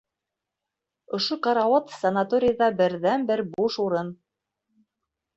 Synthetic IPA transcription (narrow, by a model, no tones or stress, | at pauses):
ŏʃoqɑɾɑwot̪sɐnat̪oɾʲɪjðɑbɘ̆ɾðænbɘɾbuʃuɾɤn